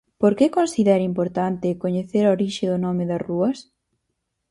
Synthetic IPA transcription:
poɾkekonsiðɛɾimpoɾt̪ant̪ɪkoɲeθeɾaoɾiʃɪðʊnɔmɪðɐruɐs

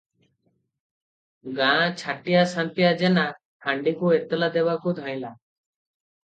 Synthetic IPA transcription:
ɡãt͡ʃʰaʈijasãnpijad͡ʒɛna | haɳɖikuet̪ɛlad̪ɛβakud̪ʱãj̃la

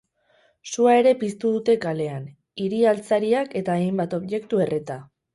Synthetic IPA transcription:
suae̞ɾe̞pist̪uðut̪e̞kale̞an | iɾialt͡saɾiake̞t̪aejmbat̪o̞βʝe̞kt̪ue̞ret̪a

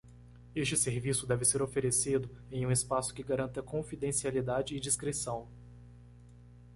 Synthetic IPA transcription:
est͡ʃɪseɾvisʊd̪ɛvɪseɾofeɾesid̪ʊẽj̃ũɪspasʊ̥kɪɡaɾɐ̃nt̪ɐkõfid̪ẽsialid̪ad͡ʒɪːd͡ʒiskɾesɐ̃w̃

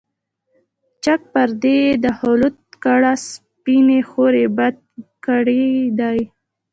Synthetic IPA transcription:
t͡ʃak̚pəɾd̪ed̪əhʊlut̪̚kəɽas | pinexoɾebad̪̚ | kəɽed̪aj

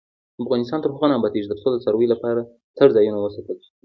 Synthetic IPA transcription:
afɣɑnɪs̬t̪ɑnt̪əɾɦɣanɑmbɑt̪eʒd̪əsold̪əsaɾwejlapɑɾa | t̪əɾzɑjunawəsɑt̪əlʃi̥

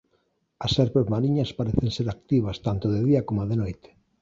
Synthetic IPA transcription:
ɐsɛɾpozmaɾiɲɐspaɾeθenseɾak̚t̪iβ̞ɐst̪ant̪oðeðiɐkomoaðenojt̪e̥

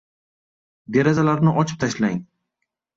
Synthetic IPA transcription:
d̪e̞ɾazalaɾnɪʔɒt͡ʃʰɪ̥p̚t̪ʰaʃlaŋ

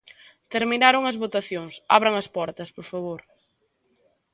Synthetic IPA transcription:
t̪eɾminaɾoŋɐzβot̪aθjoŋsa̰βɾɐŋɐspɔɾt̪ɐspoɾfaβoɾ

